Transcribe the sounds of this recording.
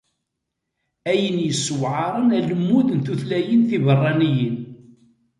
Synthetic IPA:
æjənjəsːwʕɑɾˤənæləmːuðənθuθlæjənθivərˤːɑnijən

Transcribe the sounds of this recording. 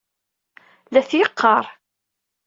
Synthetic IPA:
læθjəqʰːɑɾˤ

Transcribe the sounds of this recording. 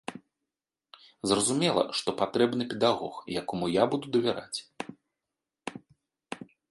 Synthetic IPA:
zrɐzumʲɛlˠɐ̰ʂt̪ɔpat̪ɾɛbnɨpʲɛd̪aɣɔxjakɔmujabud̪ud̪ɐvʲɛɾa̰t͡sʲ

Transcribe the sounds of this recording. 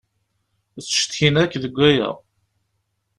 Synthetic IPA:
t͡sːʃt̪çinækːðəɡʷːæjæ̰

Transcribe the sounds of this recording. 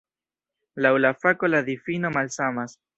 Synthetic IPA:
lawlafako̞ladifino̞malsamas

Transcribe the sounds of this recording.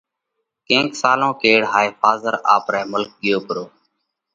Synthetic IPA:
kẽːksaːlõːkeːɽɦaːifaːzəɾa̰ːpɾɛːmʊlk̚ɠɪjoːpəɾoː

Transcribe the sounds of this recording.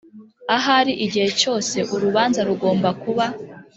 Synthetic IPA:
aɦaɾiʔiɟihe̞t͡ʃo̞ːse̞ʔuɾuβaːnzaɾuɡo̞ːmbakuβa

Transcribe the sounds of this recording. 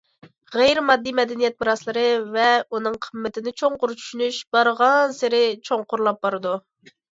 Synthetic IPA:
ʁɛjɾɪmɑd̪ːijmɛd̪ɛnijɛt̪̚bɨɾɑslˠɨɾɨvɛunɨŋqʰəmːɪt̪ʰɪnɪt͡ʃʰoŋqʊɾt͡ʃʰy̥ʃynyʃbɑɾʁɑnsɪɾɪt͡ʃʰoŋqʊɾlˠɑp̚bɑɾɨd̪u

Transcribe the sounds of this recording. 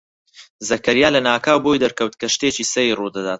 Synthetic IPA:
zɐkɐɾjaːlɐnaːkaːwbojd̪ɐɾkɐwt̪kɐʃt̪eːt͡ʃiːsɐjirud̪ɐd̪aːt̪̚

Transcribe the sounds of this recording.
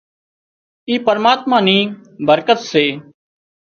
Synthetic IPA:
iːpəɾmaːt̪mãːnĩːbəɾkət̪seː

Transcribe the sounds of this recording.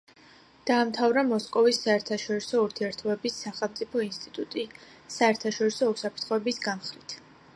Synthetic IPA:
d̪̥aːmt̪ʰavɾamɔskʼɔvisːaɛɾt̪ʰaʃɔɾisɔuɾt̪ʰiɛɾt̪ʰɔbɛbisːaχɛlˠmt̪sʼipʰɔinst̪ʼit̪ʼut̪ʼi | saɛɾt̪ʰaʃɔɾisɔusapʰt̪ʰχɔɛbisɡamχɾit̪ʰ

